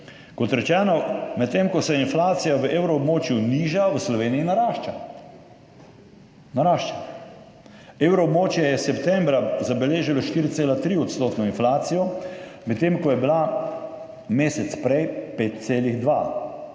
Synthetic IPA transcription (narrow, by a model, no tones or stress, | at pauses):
kɔt̪ɾɛt͡ʃɛːnɔmɛt̪ːemkɔsɛinflaːt̪sijaʋəʔeːwɾɔːbmoːt͡ʃjuniːʒaʋəslɔʋeːniinaɾaʃt͡ʃa | naɾaːʃt͡ʃa | eːwɾɔːbmoːt͡ʃjɛjɛsɛpt̪ɛmbɾazabɛleːʒilɔʃt̪iːɾit̪seːlat̪ɾiɔt̪st̪oːt̪nɔinflaːt̪sijɔmɛt̪ːeːmkɔjɛbila | meːsɛt̪spɾɛjpeːt̪̚t̪seːliɣd̪ʋa̰